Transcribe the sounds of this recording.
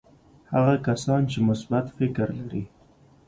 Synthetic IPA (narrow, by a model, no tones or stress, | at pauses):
haɣakasɑnt͡ʃemʊsbat̪fɪkɾlaɾi